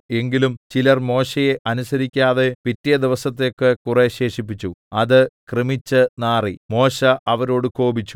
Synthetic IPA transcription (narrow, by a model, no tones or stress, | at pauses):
e̞ŋɡilumt͡ɕilɐrmo̞ːɕɐje̞ʔɐnusɐɾikʲːaːðe̞pitːijɐd̪iʋɐsɐt̪ːejkːekureɕe̞ːʂipːit͡ɕːuɐðɨkrɨmit͡ɕːɨnaːrimo̞ːɕɐʔɐʋɐɾo̞ːɽɨko̞ːbit͡ɕːu̥